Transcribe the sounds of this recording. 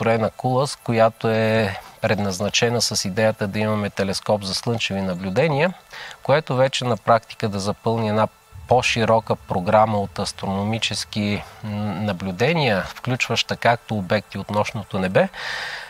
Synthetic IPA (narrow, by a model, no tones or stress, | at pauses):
ɾɛnɐkulˠəskojat̪oɛpɾɛd̪nɐznɐt͡ʃɛnəsɐsid̪ɛjət̪əd̪ɐimɐmɛt̪ɛlɛskɔpzɐslˠɤnt͡ʃɛvinɐblʲud̪ɛniəkoɛt̪ovɛt͡ʃɛnɐpɾak̚t̪i̥kəd̪ɐzɐpɤlˠniɛna | poʃiɾɔkəpɾoɡɾaməot̪ɐst̪ɾonomit͡ʃɛsk̟i | nɐblʲud̪ɛniəfklʲut͡ʃvəʃt̪ɐkak̚t̪oːbɛk̚t̪iot̪nɔʃnot̪onɛbɛ